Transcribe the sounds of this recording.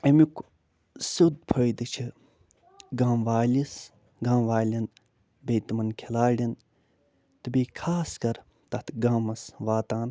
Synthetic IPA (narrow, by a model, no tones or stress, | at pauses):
ɐmik | sud̪̚pʰɐjd̪ɨt͡ʃʰi | ɡaːmʋaːlis | ɡãːmʋaːlʲin | bejt̪mɐnkʰelaːɖʲin | t̪ɨbeːkʰaːskɐɾ | t̪ɐt̪ʰɡaːmɐsʋaːt̪aːn